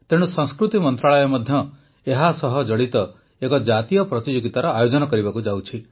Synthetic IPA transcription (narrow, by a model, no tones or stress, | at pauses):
t̪eɽ̃usɔ̃ŋskɾut̪imɔnt̪ɾaɭɔjɔmɔd̪ʱjɔ | eɦasɔɦɔd͡ʒɔɽit̪ɔ | ekɔd͡ʒat̪ijɔpɾɔt̪id͡ʒoɡit̪aɾɔajod͡ʒɔnɔkɔɾibakud͡ʒawt͡ʃʰi